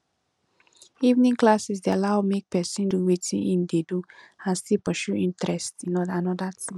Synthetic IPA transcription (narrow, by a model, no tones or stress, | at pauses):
ivnĩŋklasis̬dealaʊmek̚pɛsĩnduwetʰĩnʔĩndedu | ãnstilpɔʃuĩntɹɛstĩnɔdaanɔdatʰĩ